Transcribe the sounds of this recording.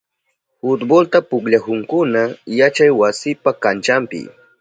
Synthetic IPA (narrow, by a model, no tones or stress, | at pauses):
hʊt̪bolt̪apʊkʎahʊŋkʊnajat͡ʃajwasɪpakant͡ʃampɪ̰